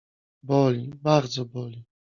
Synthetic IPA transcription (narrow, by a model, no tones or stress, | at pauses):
bɔlʲibaɾd̪zɔbɔlʲi